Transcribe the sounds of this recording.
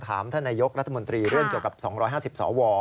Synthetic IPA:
t̪ʰaː˩˦mt̪ʰaː˥˩naː˧jo˦˥k̚ɾa˦˥t̪ʰːa˧mo˧nt̪ɾiː˧ɾu˥˩əŋki˨˩əwka˨˩p̚sɔː˩˦ŋɾɔː˦˥jɦaː˥˩si˨˩p̚sɔ̰ː˩˦wɔː˧

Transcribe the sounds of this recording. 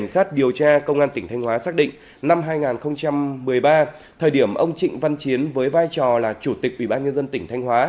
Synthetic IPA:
ŋ̟saː˦˥t̚ɗi˨˩əwt͡ɕaː˧kə˧wŋ͡mʔaː˧nt̪ï˧˩ŋ̟t̪ʰjŋ̟hwaː˨˦saː˦˥k̚ɗḭ˧˨ŋ̟ | na˧mɦaː˧jŋaː˨˩nxə˧wŋ͡mt͡ɕa˧mːɨ˨˩əjɓaː˧ | t̪ʰəː˨˩ɗi˧˩əmʔə˧wŋ͡mt͡ɕḭ̈˧˨ŋ̟va˧nt͡ɕi˨˦ənvəː˨˦jvaː˧jt͡ɕɔ˨˩laː˨˩t͡ɕu˧˩t̪ï˨˩k̚ʔwi˧˩ɓaː˧nɲə˧nzə˧nt̪ï˧˩ŋ̟t̪ʰjŋ̟hwaː˨˦

